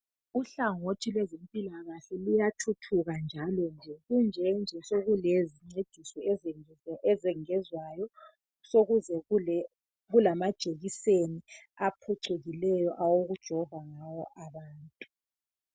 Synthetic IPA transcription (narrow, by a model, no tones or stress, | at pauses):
uɬaŋotʰilwɛzem̩pʼilaɣaɬɛlujatʰutʰuɣand͡ʒʱalɔnd͡ʒʱɛɣund͡ʒʱɛnd͡ʒʱɛsoɣuleziŋ͡ǀed̥ʱisɔɛz | ɛzɛŋɛzwajɔ | soɣuzɛ | ɣulamad̥ʒ̥ʱeɣiseniapʰɔǀeɣilɛjɔʔawoɣud̥ʒ̥ʱɔvaŋawɔʔaβaːntʼu̥